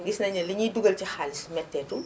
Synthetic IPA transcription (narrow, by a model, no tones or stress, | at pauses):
ɡisnɐɲɐliɲiduɡɐlcixalismɛtːɛːtu